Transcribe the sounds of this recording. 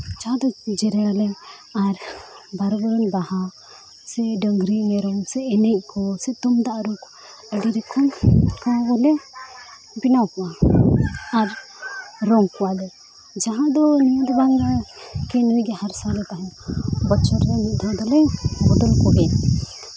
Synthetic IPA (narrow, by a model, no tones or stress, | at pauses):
d͡ʒaɦãd̪ɔd͡ʒɛɾɛalɛ | aɾ | baɾbɔɾɔnbaha | sɛɖəŋɡɾinɛɾɔŋsɛːnɛʔ̚kʰɔsɛt̪ɔmd̪aʔɾuk | əɖiɾɛkʰɔmkabɔlɛ | binawkɔa | aɾ | ɾɔŋkɔwalɛ | d͡ʒaɦãd̪ɔnijad̪ɔbaŋɡakɛnujɡɛhaɾsalɛt̪aɦɛ̃bɔt͡ʃɔɾlɛnid̪ʱad̪ɔlɛbɔd̪ɔlkɔɡɛn